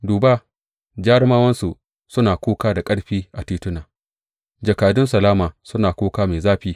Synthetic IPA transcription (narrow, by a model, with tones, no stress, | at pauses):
duː˨baː˦ | d͡ʒaː˦ɽɪ˦maː˦wɐ˦nsu˨ʔ | sʊ˦naː˨kʷoː˦kaː˦da˨kʼɐ˦ɽɸiː˦ʔa˨tiː˦tʊ˦naː˨ | d͡ʒa˨kaː˨dʊ˦nsɐ˨laː˦maː˨sʊ˦naː˨kʷoː˦kaː˦meː˨zaː˦ɸiː˦